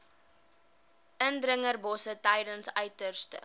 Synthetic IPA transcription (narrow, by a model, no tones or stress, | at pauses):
ʔəndrəŋərbɔsətɛjdənsœɥtərstə̰